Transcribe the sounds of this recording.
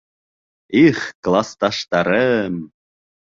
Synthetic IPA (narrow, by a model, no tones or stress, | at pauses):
iχklˠɑst̪ɑʃt̪ɑɾəm